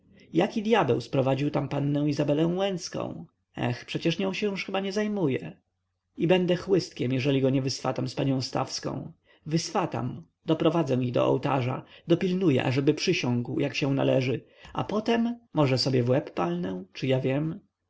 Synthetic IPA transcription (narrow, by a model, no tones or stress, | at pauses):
jakʲid̪jabɛwspɾɔvad͡ʑiwt̪ampanːɛ̃w̃izabɛlɛ̃w̃wɛnt̪skɔ̰̃w̃ | ɛ̰xpʂɛt͡ɕɛʂɲɔ̃w̃ɕɛjuʂxɘbaɲɛzajmujɛ | ibɛnd̪ɛxwɘst̪̚kʲɛmjɛʐɛlʲiɡɔɲɛvɘsfa̰t̪amspaɲɔ̃w̃st̪a̰fskɔ̰̃w̃ | vɘsfat̪a̰m | d̪ɔpɾɔvad̪zɛ̃iɣd̪ɔ̰ʔɔ̰wt̪aʐa̰d̪ɔpʲilnujɛ̰ʔa̰ʐɛbɘpʂɘɕɔ̃ŋɡwjakɕɛ̃na̰lɛʐɘ | ʔa̰pɔt̪ɛmːɔʐɛsɔbʲjɛvwɛpːalnɛwt͡ʂɨjavʲjɛm